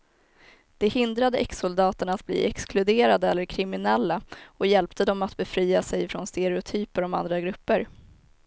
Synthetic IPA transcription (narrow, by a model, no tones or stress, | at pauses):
d̪̥ɛhɪnd̪ɾad̪əʔɛksʊld̪ɑːt̪əɳaːt̪̚blḭːɛksklɵd̪eːɾad̪əɛlːəɾkʰɾɪmɪnɛlːaɔjɛlpt̪əd̪ɔmat̪bɛfɾiːasɛjfɾɔnst̪ɛɾɛʊt̪ʰyːpəɾɔma̰nd̪ɾaɡɾɵpːəɾ